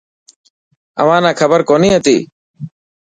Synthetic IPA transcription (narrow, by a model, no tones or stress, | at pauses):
ə̰ʋãːnãːkʰəbəɾkoːnĩːɦət̪ḭː